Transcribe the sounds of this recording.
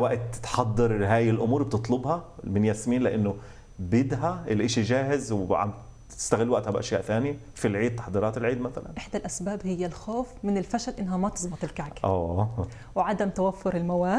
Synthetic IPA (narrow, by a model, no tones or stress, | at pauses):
wæʔt̪t̪ħɑd̪ˤːɑɾɦaːjɪlʔʊmuːɾb̚t̪ɨt̪ˤlobhɑmɪnjæsmiːnlɪʔɪnːʊ | bɪd̪ɦæɪlʔɪːʃiʒaːhɪzwʕa̰m | ɪ̥st̪æɣɪlːwaʔt̪hæbʔæ̰ʃjaːʔθæːnja | filʕiːd̪̚t̪ɑ̥ħd̪ˤiːɾˤɑːt̪ɪlʕiːd̪mæθæla̰nʔɪħd̪alʔæsbaːbhɪjːalxoːfmɪnɪlfæʃælʔɪnːɦæmæt̪ɨ̥sˤbɑt̪ˤɪlkaʕkʔæː | wʕad̪amt̪awafːʊɾɪlmawaː